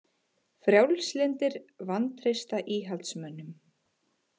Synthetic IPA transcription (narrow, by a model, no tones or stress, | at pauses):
fɾjawlslɪnt̪ɪɾvant̪ɾejst̪aʔiːɦalt̪smœnːʏm